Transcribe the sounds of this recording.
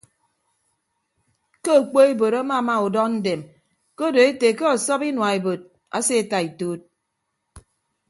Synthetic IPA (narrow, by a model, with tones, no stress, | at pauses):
ko˦o˨k͡po˦e˦bo˨ɾa˦ma˦˨ma˦˨u˨dɔ˦n̩˦de˨m | ko˦do˨e˦te˨ke˦ɔ˨sɔ˦pi˦nwa˨e˨bo˨t̚ | a̰˦se˦˨ta˨i˨toː˦t̚